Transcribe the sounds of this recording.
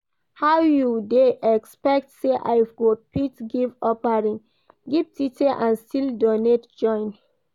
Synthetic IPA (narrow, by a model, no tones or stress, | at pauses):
hawjudeʔɛkspɛk̚tseʔa̰jvɡopitɡivɔpaɹĩŋ | ɡivtiteʔãnstildonetd͡ʒɔ̃ɪ̃n